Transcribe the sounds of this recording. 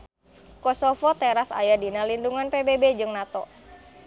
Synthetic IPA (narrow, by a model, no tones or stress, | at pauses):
kɔsɔfɔt̪ɛɾasa̰jadinalinduŋanpebebed͡ʒɨŋnat̪ɔ